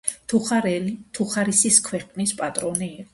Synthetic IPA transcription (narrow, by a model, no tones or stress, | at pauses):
t̪ʰuɾɛlt̪ʰuχaɾisiskʰwɛqʼnispʼat̪ʼɾɔniː